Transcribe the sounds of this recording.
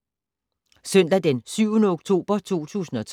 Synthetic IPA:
sœn̰d̥æd̥ensyʊnəoɡ̥t͡sʰo̝̰ːb̥ɐt͡sʰo̝̰ːt͡sʰṵːsn̩ɒ̽t͡sʰ

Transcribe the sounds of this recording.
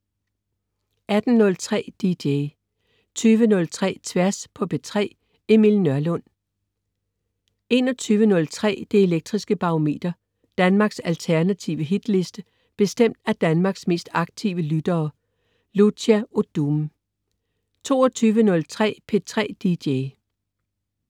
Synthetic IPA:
ʔæd̥n̩ːɔ̽lt͡sʰʁɛ̰ːd̥id̥e | t͡sʰyːʋənɔ̽lt͡sʰʁɛ̰ːt͡sʰʋæɐspʰɒ̽pʰe̝t͡sʰʁɛ̰ː | e̝milnɶɐlɔ̽n̰ | e̝ːnɒt͡sʰyːʋənɔ̽lt͡sʰʁɛ̰ːd̥eeleɡ̥̚d̥ʁisɡ̥əb̥ɑ̈ome̝̰ːd̥ɐ | d̥ænmɑ̈ːɡ̥sælt͡sʰæɐnæt͡sʰiʊəɦid̥le̝sd̥ə | b̥e̝sd̥em̰d̥æd̥ænmɑ̈ːɡ̥sme̝̰ːsd̥ɑ̈ɡ̥̚t͡sʰiːʊəlyd̥ɐː | ludæod̥um | t͡sʰo̝̰ːɒt͡sʰyːʋənɔ̽lt͡sʰʁɛ̰ːpʰe̝t͡sʰʁɛ̰ːd̥id̥e

